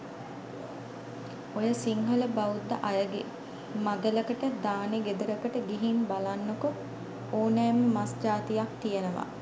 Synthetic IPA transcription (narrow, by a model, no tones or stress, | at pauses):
ojəsiŋɦələbaud̪ːəʔajəɡḛ | mad̪ələkəʈəd̪aːneɡed̪əɾəkəʈəɡiɦinbalanːoku | oːnɛːmːəmasd͡ʒaːt̪ijak̚t̪ijənəʋa̰